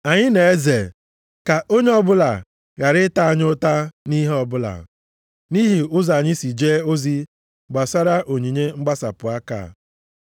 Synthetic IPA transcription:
a˨ɲɪ˦ne˨e˦ze˨ | ka˨ʔo˦ɲe˦ɔ˦bʊ˦la˨ | ɣa˨ɾɪ˦ta˦a˨ɲʊ˦ta˦ni˦ɦɔ˨bʊ˦la̰˨ | ni˦ɦi˨ʊ˦za˨ɲɪ˦si˨d͡ʒe˦o˦zi˦ | ɡ͡ba˨sa˦ɾa˦ʔo˨ɲi˨ɲe˦ŋ͡m̩˦ɡ͡ba˦sa˨pʊ˨a˦ka̰˨

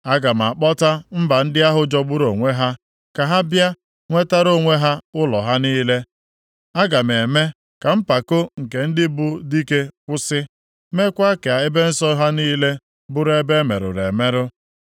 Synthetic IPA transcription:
a˦ɡa˨m̩˨a˨k͡pɔ˦ta˦m̩˦ba˨n̩˦dɪ˦a˦ɦʊ˦d͡ʒɔ˦ɡ͡bʊ˦ɾo˨ŋʷe˦ɦa˦ | ka˨ɦa˦bja˦ | ŋʷe˦ta˦ɾo˦˨ŋʷe˦ɦa˦ʊ˦lɔ˨ɦa˦niː˦le˦ | a˦ɡa˨m˨e˨me˦ | ka˨m̩˦pa˨ko˦ŋ̩˨ke˨n̩˦dɪ˦bʊ˦di˦ke˦kʷʊ˦sɪ˦ | me˦kʷa˦ke˨a˨e˦be˦n̩˦sɔ˦ɦa˦niː˦le˦ | bʊ˦ɾe˦be˦me˨ɾʊ̰˨ɾḛ˨me˦ɾʊ˦

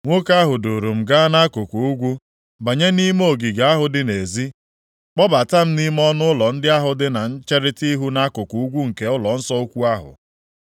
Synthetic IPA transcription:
ŋʷo˦ka˦ɦʊ˨do˨ɾo˨m̩˨ɡa˦na˦kʊ˨ko˨u˦ɡʷu˦ | ba˨ɲe˦ni˦m˦o˦˨ɡi˨ɡa˨a˦ɦʊ˨dɪ˦ne˨zi˦ | k͡pɔ˦ba˨ta˦m̩˦ni˦m˦ɔ˦nʊ˦lɔ˨n̩˦dɪ˦a˦ɦʊ˨dɪ˦na˨n̩˦t͡ʃe˦ɾɪ˦ti˦ɦu˦na˦kʊ˨ku˨u˦ɡʷu˦ŋ̩˨ke˨˦ʊ˦lɔ˨n̩˦sɔ˦o˦kʷu˦a˦ɦʊ̰˨

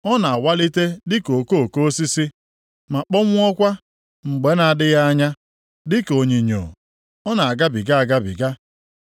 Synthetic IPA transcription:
ɔ˦na˨a˨wa˦li˦te˦dɪ˦ko˨ko˦˨ko˦o˦si˦si˦ | ma˨k͡pɔ˦ŋʷʊ˦ɔ˦kʷa˦ | ŋ͡m̩˨ɡ͡be˨˦na˨a˨dɪ˦ja˦a˦ɲa˦ | dɪ˦ko˨ɲi˨ɲo̰˨ | ɔ˦na˨a˨ɡa˦bi˨ɡa˦a˨ɡa˦bḭ˨ɡa˦

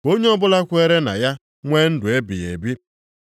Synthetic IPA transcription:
o˦ɲe˦ɔ˦bʊ˦la˦kʷʊ˦e˦ɾe˦na̰˨ja˦ | ŋʷeː˦n̩˦dʊ˨e˦bi˨je˨bi˦

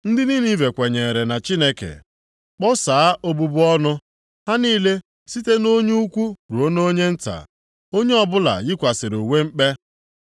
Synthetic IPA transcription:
n̩˦dɪ˦ni˦ni˦ve˨kʷe˨ɲe˨ɾe˨na˨t͡ʃi˦ne˦kḛ˨ | k͡pɔ˦saː˨a˦ʔo˦bu˦bʊ˦ɔ˦nʊ˦ | ha˦niː˦le˦ | si˦te˦no˦ɲu˦u˦kʷu˦ɾu˨o˦no˦o˦ɲe˦n̩˦ta̰˨ | o˦ɲe˦ɔ˦bʊ˦la̰˨jɪ˦kʷa˨sɪ˨ɾu˨wʷe˦ŋ͡m̩˦k͡pe˦

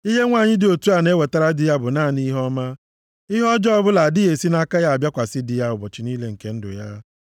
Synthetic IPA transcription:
i˦ɦe˦ŋʷa˦˨ɲɪ˦dɪ˨o˨tu˦a˨ne˦we˨ta˦ɾa˦dɪ˨ja˦bʊ˨naː˦˨ni˦ɦɔ˦ma˦ | i˦ɦɔ˦d͡ʒɔ˦ɔ˦bʊ˦la˨dɪ˦e˨si˦na˦ka˦ja˦a˨bja˦kʷa˨sɪ˦dɪ˨ja˦ʊ˨bɔ˨t͡ʃi˨niː˦le˦ŋ̩˨ke˨˦n̩˦dʊ̰˨ja˦

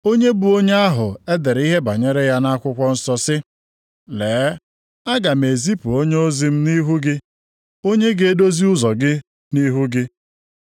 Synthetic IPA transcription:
o˦ɲe˦bu˨o˦ɲe˦a˦ɦʊ˨e˦de˨ɾi˦ɦe˦ba˨ɲe˦ɾe˦ja˦na˦kʷʊ˦kʷɔ˦n̩˦sɔ˦sɪ˦ | leː˨˦ | a˦ɡa˨m˨e˨zi˦pu˨o˦ɲe˦o˦zi˦m̩˦ni˦ɦu˦ɡɪ˦ | o˦ɲe˦ɡe˦e˦do˦zi˦ʊ˦zɔ˨ɡɪ˦ | ni˦ɦu˦ɡɪ˦

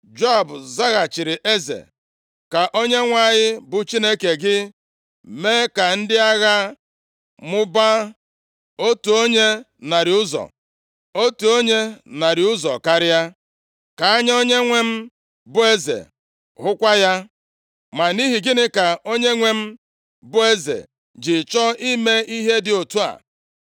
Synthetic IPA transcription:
d͡ʒɔ˦˨bza˦ɣa˨t͡ʃɪ˨ɾɪ˨ʔe˦zḛ˨ | ka˨ʔo˦ɲe˦ŋʷa˦˨ɲɪ˦bʊ˨t͡ʃi˦ne˦ke˨ɡɪ˦ | meː˦ka˨n̩˦dɪ˦a˦ɣa˦ | mʊ˦ba˦ | o˦tu˨o˦ɲe˦ | na˨ɾɪ˨ʊ˦zɔ̰˨ | o˦tu˨o˦ɲe˦na˨ɾɪ˨ʊ˦zɔ̰˨ka˦ɾɪ˦a˦ | ka˨a˦ɲa˦o˦ɲe˦ŋʷe˦m̩˦ | bʊ˦e˦zḛ˨ | ɦʊ˦kʷa˦ja˦ | ma˨ni˦ɦi˨ɡɪ˦nɪ˦ka˨o˦ɲe˦ŋʷe˦m̩˦ | bʊ˦e˦zḛ˨ | d͡ʒɪ˨t͡ʃɔ˦i˦me˦i˦ɦe˦dɪ˨o˨tu˦a̰˨

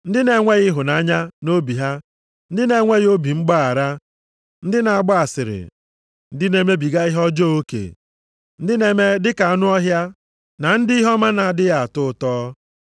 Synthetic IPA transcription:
n̩˦dɪ˦ne˨˦ŋʷe˦ɣɪ˦ɦʊ˨na˨˦ɲa˦no˦bi˨ɦa˦ | n̩˦dɪ˦ne˨˦ŋʷe˦ɣo˦bi˨ŋ͡m̩˦ɡ͡ba˦a˨ɾa˦ | n̩˦dɪ˦na˨a˨ɡ͡bɔ˦a˨sɪ˨ɾɪ̰˨ | n̩˦dɪ˦ne˦me˦bi˨ɡa˦ɪ˦ɦɔ˦d͡ʒɔ˦o˦kḛ˨ | n̩˦dɪ˦ne˨˦me˦dɪ˦ka˨a˨nʊ˦ɔ˦ɦja˦ | na˨n̩˦dɪ˦i˦ɦɔ˦ma˦na˨dɪ˦ja˨a˨tʊ˦˨tɔː˦

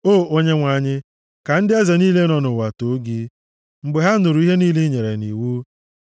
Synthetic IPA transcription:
oː˦˨o˦ɲe˦ŋʷa˨ɲɪ˦ | ka˨n̩˦dɪ˦e˦ze˨niː˦le˦nɔ˨nʊ˨wa˨to˨˦ɡi˦ | ŋ͡m̩˨ɡ͡be˨ɦa˦nʊ˨ɾu˨˦i˦ɦe˦niː˦li˦ɲe˨ɾe˨ni˨wu˦

